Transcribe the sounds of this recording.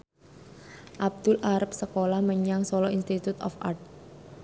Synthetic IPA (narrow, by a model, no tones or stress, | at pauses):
ʔab̚d̪̥ʊlʔaɾəp̚səkolahməɲaŋsɔlɔinst̪it̪ut̪ɔ̰fa̰rt̪̚